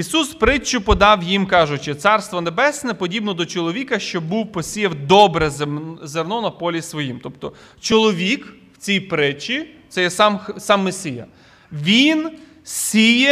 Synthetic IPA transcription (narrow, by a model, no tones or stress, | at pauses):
isuspɾɪt͡ʃːʊpɔd̪ɑwjimkɑʒʊt͡ʃɪt̪sɑrst̪ʋɔnebɛsʲnɛpɔdʲibnɔd̪ɔt͡ʃɔlˠɔʋʲikɐʃt͡ʃɔbuwpɔsʲijɐwd̪ɔbɾɛzzernɔnɐpɔlʲisʋɔjimt̪ɔpt̪ɔ | t͡ʃɔlˠɔʋʲikwt͡sʲijpɾɪt͡ʃit̪sɛjɛsɑmxsɑmːɪsʲɪjɐ̰ | ʋʲin | sʲijɛ